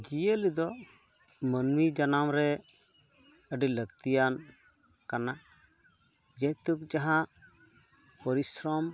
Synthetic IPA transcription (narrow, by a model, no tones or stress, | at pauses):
d͡ʒijəlid̪ɔ | mənmid͡ʒanamɾɛ | əɖiləɡt̪ijan | kana | d͡ʒɛt̪uk̚d͡ʒaɦã | pɔɾisɾɔm